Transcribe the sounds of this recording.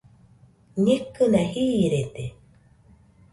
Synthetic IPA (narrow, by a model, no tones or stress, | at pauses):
ɲekːɨnahiːɾet̪e